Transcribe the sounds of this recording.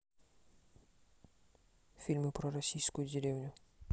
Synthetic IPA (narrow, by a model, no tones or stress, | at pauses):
fʲilʲmɨpɾɔɾɐsʲijskʊjʊdʲɪɾʲewnʲʊ